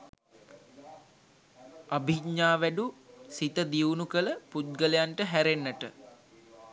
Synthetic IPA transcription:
abʱiɡɲaːʋæɖusit̪əd̪iunukələput̪̚ɡələjaɳʈəɦæɾenːəʈə

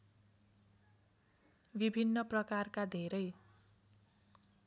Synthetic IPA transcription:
bibʱinːʌprʌkarkad̪ʱeɾʌj

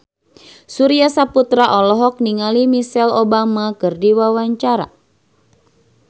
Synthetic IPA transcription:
suɾiasaput̪ɾaʔɔlɔɦɔk̚niŋalimisɛlobamakɨrdiwawaɲt͡ʃaɾa̰

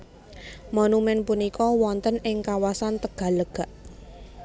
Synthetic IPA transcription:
monumɛnpunikɔwɔnt̪ənɪŋkawasant̪əɡ̥a̤ləɡ̥a̤ʔ

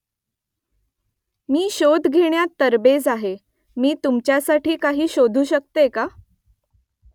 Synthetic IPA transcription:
miːɕod̪ʱɡʱeɳjat̪əɾbed͡zaɦe | miːt̪umt͡ɕjasaʈʰiːkaɦiːɕod̪ʱuːɕək̚t̪eka

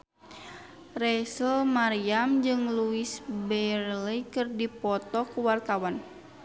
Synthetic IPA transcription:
rɛsəlmaɾiamd͡ʒɨŋluisbɛrlikɨrdipɔt̪ɔkuwart̪awan

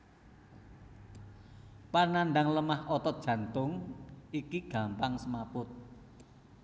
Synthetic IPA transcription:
panaɳɖaŋləmahɔt̪ɔd̥ʒ̥ä̤nt̪ʊŋikiɡ̥ä̤mpaŋsəmapʊt̪̚

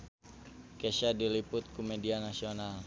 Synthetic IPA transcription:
keʃadilipʊt̪̚kumedianasional

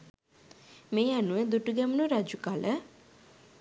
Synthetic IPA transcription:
meːanuʋəd̪uʈuɡɛmənuɾad͡ʒukalə

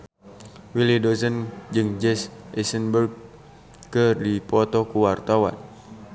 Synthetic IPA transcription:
wilidozənd͡ʒɨŋd͡ʒɛsʔɛsənbərɡ̚ | kɨrdipɔt̪ɔkuwart̪awa̰n

